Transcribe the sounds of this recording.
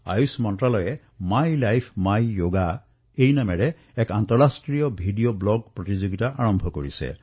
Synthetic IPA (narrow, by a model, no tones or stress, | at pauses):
a̰jusmɔntɹalɔjɛ | majlajpʰmajjoɡa | ejnamɛɹɛ | ɛkantɔɹɹastɹijɔbʱidijoblɔɡ̚pɹɔtizoɡitaʔaɹɔmbʱɔkoɹisɛ̰